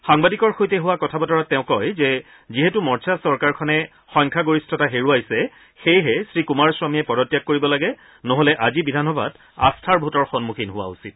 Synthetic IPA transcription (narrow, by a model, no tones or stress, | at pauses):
xaŋbadikɔɹxojtɛɦʊwakɔtʰabɔtɔɹatɛʊ̃kɔjzɛ | ziɦetumɔɹt͡ʃʰasɔɹkaɹkʰɔnɛ | xɔjŋkʰaɡoɹistʰɔtaɦeɹuajsɛ | xejɦɛsɹikumaɹswamijɛpɔdɔtːjak̚koɹibɔlaɡɛ | nɔɦolɛʔazibidʱanɔbʱad | a̰stʰaɹbʱutɔɹxɔnmukʰinɦʊwa̰usit̚